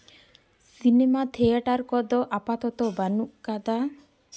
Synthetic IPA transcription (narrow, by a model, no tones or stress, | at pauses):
sinemat̪ʰeaʈaɾkɔd̪ɔʔapat̪ɔt̪ɔbanuʔkad̪a